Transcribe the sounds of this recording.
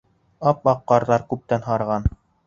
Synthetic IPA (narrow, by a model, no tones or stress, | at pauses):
ɑp̚ɑqːɑɾðɑɾkʉp̚t̪ænɦɑɾʁɑn